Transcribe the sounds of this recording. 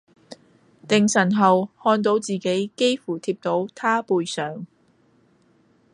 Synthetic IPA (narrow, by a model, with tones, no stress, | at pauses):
t̪ɪ˨ŋsɐ˨˩nɦɐ˨whɔː˧nt̪o˨˥wt͡siː˨ke˨˥jke˥jfuː˨˩t̪ʰiː˧p̚t̪o˨˥wt̪ʰaː˥puː˧jsœː˨ŋ